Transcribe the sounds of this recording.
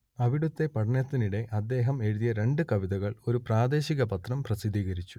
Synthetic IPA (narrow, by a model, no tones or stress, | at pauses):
ɐʋiɽut̪ːe̞pɐɽɐɳjɐt̪ːiniɽe̞ʔɐd̪ːe̞ːɦɐme̞ɻuðijɐɾe̞ɳɖɨkɐʋiðɐɣɐɭo̞ɾupraːd̪e̞ːɕiɣɐpɐt̪rɐmprɐsid̪iːɣɐɾit͡ɕːu̥